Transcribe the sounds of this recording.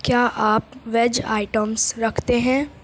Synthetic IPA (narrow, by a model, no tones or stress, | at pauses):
kjaːʔaːpʋɛd͡ʒa̰ːɪʈəmsɾɐkʰt̪eɦɛ̃ː